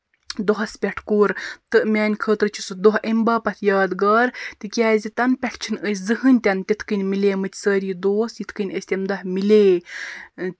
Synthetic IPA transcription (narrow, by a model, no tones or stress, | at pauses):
d̪oɦɐspʲɐʈʰkuːɾt̪ɨʔmʲaːnʲkʰəːt̪ɾɨt͡ʃʰisɨd̪oɦʔembɐːpɐt̪ʰjaːd̪ɡɐːɾt̪ɨkʲaːzʲit̪ɐnpʲɐʈʰt͡ʃʰinəjsʲzɨɦɨnʲt̪ʲɐnt̪ʲit̪ʰkɨnʲmilʲeːmɨt̪ʲsəːɾiːd̪oːsjit̪ʰkɨnʲəsʲt̪ʲɐmd̪ɐhmileː